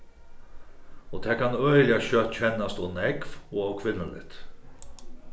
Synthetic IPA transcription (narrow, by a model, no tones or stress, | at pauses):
ɔt̪ʰɛːkʰanœʏlɪaɕœt̪cʰɛnːast̪ɔwnɛkvɔawkʰʋɪlːəlɪ̰t̪